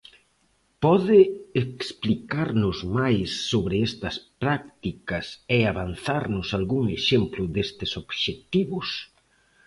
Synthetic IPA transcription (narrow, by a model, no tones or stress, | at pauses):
pɔðɪeksplikaɾnʊzmajsːoβɾɪɛst̪ɐspɾak̚t̪ikɐseaβanθaɾnʊsalɣuŋeʃemplʊðest̪ɪsoβʃet̪iβʊs